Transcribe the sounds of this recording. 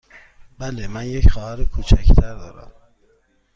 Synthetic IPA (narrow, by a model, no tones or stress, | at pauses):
b̥ælemænjecxɒːhæɾekʰut͡ʃʰæct̪ʰæɾd̪ɒːɾæ̰m